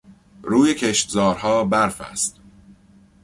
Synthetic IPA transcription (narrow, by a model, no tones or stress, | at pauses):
ɾuːjecʰeʃt̪zɒːɾhɒːbæɾfæ̰st̪